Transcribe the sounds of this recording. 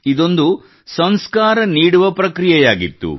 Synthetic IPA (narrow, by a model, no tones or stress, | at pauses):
id̪o̞nd̪u | sɐnskaːɾɐniːɽuʋɐpɾɐkɾijɛjaːɡit̪ːṵ